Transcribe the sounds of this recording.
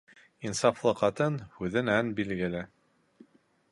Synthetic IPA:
insɑflˠɤqɑt̪ɤnhʉðɘnænbilɡɘ̆lɘ

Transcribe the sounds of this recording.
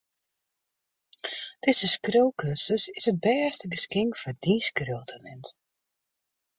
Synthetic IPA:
d̥ɪzəskrøwkʰøsəsɪsət̚bɛːstəɡəskɪŋkfɔdiskrøwtʰənɛnt

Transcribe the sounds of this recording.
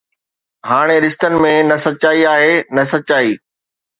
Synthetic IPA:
ɦaːɽ̃eɾɪst̪ənɪ̆mẽnɐsɐtːt͡ɕaːiaːɦenɐsɐt̚t͡ɕaːiː

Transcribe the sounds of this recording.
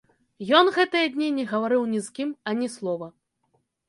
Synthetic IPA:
jɔnɣɛt̪ɨjɐd̪ʲnʲinʲɛɣɐvaɾɨwnʲizkʲimɐnʲislˠɔvɐ

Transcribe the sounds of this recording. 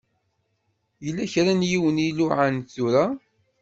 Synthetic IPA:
jəlːæçɾænjiwəniluʕanθuɾa

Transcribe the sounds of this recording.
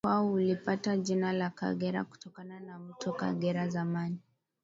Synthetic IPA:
waɔulipatad͡ʒinalaka̰ɠɛɾa̰ku̥tɔkananam̩tʰɔka̰ɡɛɾazamani

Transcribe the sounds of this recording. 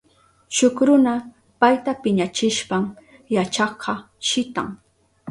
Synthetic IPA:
ʃʊkɾʊna | pajt̪apɪɲat͡ʃɪʃpam | jat͡ʃɑqʰɑ | ʃɪt̪a̰ŋ

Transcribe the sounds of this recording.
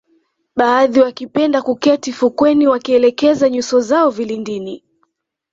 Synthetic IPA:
ɓaːðiwakipɛndakukɛtifukwɛniwakiɛlɛkɛzaɲusɔzaɔvilindini

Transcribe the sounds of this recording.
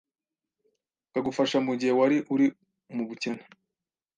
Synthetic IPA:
kaɡufaʃamuɟihe̞waɾiʔuɾi | muβucena

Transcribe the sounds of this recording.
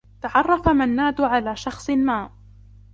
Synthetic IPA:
t̪aʕɑrˤːɑfamanːaːd̪ʕalaːʃɑxsˤmaːʔ

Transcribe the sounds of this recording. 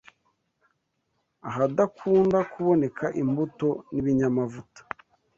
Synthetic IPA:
aɦadakʰuːndakuβo̞ne̞kʰaʔimbuto̞niβiɲamavutḁ

